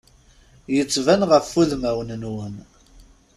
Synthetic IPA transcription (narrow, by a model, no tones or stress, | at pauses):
jət͡sːvænʁəfːuðmæwənnwəm